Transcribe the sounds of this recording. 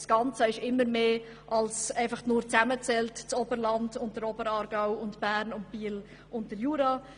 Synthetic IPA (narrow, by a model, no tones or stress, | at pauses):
sɡ̥ɑnt͡səɪʃɪmːəɾmeː | ʔɑlsɛɪfɑχnʊːɾt͡sæmət͡sɛltt͡sɔbəɾlɑndʊnt̚d̥əɾɔbəɾɑːɾɡ̥aʊʊntb̥æːɾnʊntb̥iːl | ʊnt̚d̥əɾjuːɾɑː